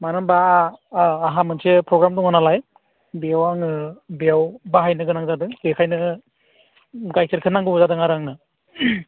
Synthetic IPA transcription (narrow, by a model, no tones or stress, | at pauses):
manɯmbaː | ɦamɯnsepɾɔɡɾamdɔŋɯnalaj | beawaŋɯbeawbaɦajnɯɡɯnaŋzadɯŋbekʰajnɯ | ɡajsʰeɾkʰɯnaŋɡɯzadɯŋaɾaŋnɯ